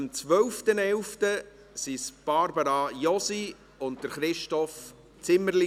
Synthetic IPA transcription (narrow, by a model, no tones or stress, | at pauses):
mt͡sʋœwftənɛlftə | sisb̥ɑɾbəɾɑjɔsi | ʊnt̚d̥əɾχɾɪʃtɔf | t͡sɪmːəɾli